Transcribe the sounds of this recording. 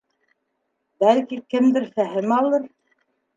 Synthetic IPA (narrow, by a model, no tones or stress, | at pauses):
bælkikɘ̆md̪ɘɾfæɦɘmɑlˠɤɾ